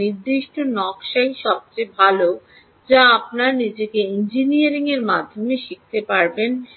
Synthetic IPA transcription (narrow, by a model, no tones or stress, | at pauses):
iɾd̪iʃʈonɔkʃajʃɔb̚t͡ɕebʱalo | d͡ʑaap̚naɾnid͡ʑekeind͡ʑinijaɾiŋeɾmad̪ʱːomeʃik̚t̪epaɾben